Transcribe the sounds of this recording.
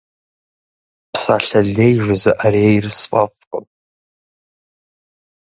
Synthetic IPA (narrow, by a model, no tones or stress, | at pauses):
pʰsaɬaɮejʒʷazaʔaɾejrspʼavqʼənʼ